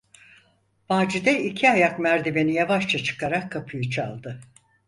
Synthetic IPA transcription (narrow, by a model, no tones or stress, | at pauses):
v̥aːd͡ʒid̪ɛicʰiajakmæɾd̪ebe̞nijavaʃt͡ʃʰat͡ʃʰɯ̥kaɾakʰːapʰɯjɯt͡ʃʰa̰lˠd̪ɯ